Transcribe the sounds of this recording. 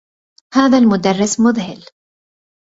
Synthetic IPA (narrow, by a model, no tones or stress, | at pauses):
haːðaːlmʊd̪arˤːɪsmʊðhɪl